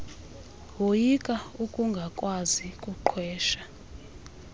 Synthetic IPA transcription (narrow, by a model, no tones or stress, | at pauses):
wojikʼaukʼuŋɡʱakʼwazikʼuǃʰwɛːʃḁ